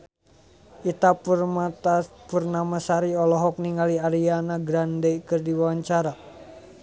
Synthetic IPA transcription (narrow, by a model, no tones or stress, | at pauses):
it̪apurmat̪apurnamasaɾiɔlɔɦɔk̚niŋaliaɾianaɡɾandekɨrdiwawaɲt͡ʃaɾa